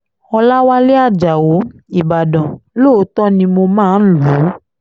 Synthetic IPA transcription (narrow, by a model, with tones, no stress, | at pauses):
ɔ˧la˦wa˦le˦a˦˨d͡ʒa˨wo˨˦i˦˨ba˨dɔ̃˨lo˦˨˦tɔ˦nĩ˧mo˧mãː˦˨n̩˦lu˨˦